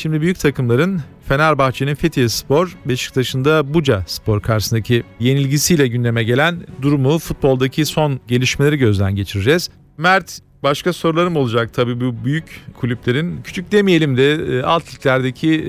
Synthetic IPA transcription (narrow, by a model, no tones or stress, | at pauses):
ʃimd̪ibyjyc̚ʲt̪ʰakɯmlˠaɾɯn | fe̞nalʲbaxt͡ʃʰe̞ninfet̪ʰijspo̞ɾbeʃɯ̥kt̪ʰaʃɯnd̪abud͡ʒaspʰo̞ɾkʰaɾʃsɯnd̪acʰije̞nilʲɟisijlʲɛɟynd̪ʲe̞mɛɟe̞lʲænd̪uɾumufut̪̚bo̞lˠd̪acʰiso̞nɟe̞lʲiʃmelʲe̞ɾiɟø̞zlʲænɟe̞t͡ʃʰiɾid͡ʒɛz̥ | mæɾt̪ | baʃkʰaso̞ɾulˠaɾɯmo̞lˠud͡ʒak̚t̪ʰabiːbubyjyckʰulʲyplʲe̞ɾincʰy̥t͡ʃʰyc̚d̪emije̞lʲimd̪ɛa̰lˠt̪ʰlʲiclʲæɾd̪e̞cʰi